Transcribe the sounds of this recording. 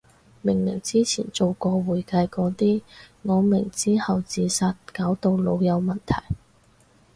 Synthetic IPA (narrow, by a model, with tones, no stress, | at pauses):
mɪ˨˩ŋmɪ˨˩ŋt͡siː˥t͡sʰiː˨˩nt͡so˨wkɔː˧wuː˨˩jkɐ˧jkɔː˨˧˥t̪iː˥ŋɔː˨˧mɪ˨˩ŋt͡siː˥hɐ˨wt͡siː˨˧saː˧t̚kaː˨˥wt̪o˧wlo̰˨˧wjɐ˨˧wmɐ˨nt̪ʰɐ̰˨˩j